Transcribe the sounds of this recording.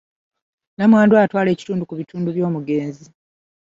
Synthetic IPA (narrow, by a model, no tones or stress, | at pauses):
namwaːnduatwaːle̞ːci̥tuːndukuβitʰuːnduβjo̞ːmuɡe̞ːnzi